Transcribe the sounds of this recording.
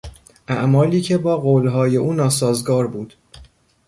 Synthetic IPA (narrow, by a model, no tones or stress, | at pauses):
ʔæʔmɒːliːcʰe̞bɒːɣoːlɦɒːje̞ʔuːnɒːsɒːzɡɒːɾbuːd̪̥